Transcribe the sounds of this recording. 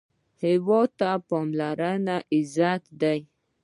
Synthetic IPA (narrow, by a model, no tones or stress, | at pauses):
hɪwot̪apɔmlaɾanaʔɪzat̪d̪aj